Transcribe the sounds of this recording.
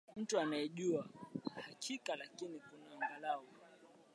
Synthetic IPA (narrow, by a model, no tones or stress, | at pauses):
m̩tuanajɛʄuahakʰikalakinikunaːŋɡalaɔ